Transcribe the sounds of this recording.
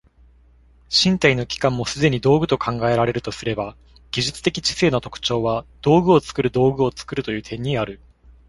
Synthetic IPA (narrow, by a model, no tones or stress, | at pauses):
ɕĩnt̪aino̞kʲi̥kãmːo̞sɨd̪e̞ɲ̟id̪o̞ːɡɯ̟t̪o̞kʰãŋɡae̞ɾaɾe̞ɾɯ̟t̪o̞sɨɾe̞ba | ɡ̥ʲiʑɨt͡sɨ̥t̪e̞kʲi̥t͡ɕi̥se̞ːnot̪o̞kɯ̟̥t͡ɕo̞ːβad̪̥o̞ːɡɯ̟o̞t͡sɨ̥kɯ̟ɾɯ̟d̪o̞ːɡɯ̟o̞t͡sɨ̥kɯ̟ɾɯ̟t̪o̞jɯ̟ːt̪ʰẽ̞ɲ̟ːiaɾɯ̟